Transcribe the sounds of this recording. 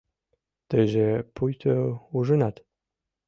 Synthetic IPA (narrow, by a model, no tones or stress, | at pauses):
t̪ɘʒepujt̪ʰøuʒə̆nɑt̪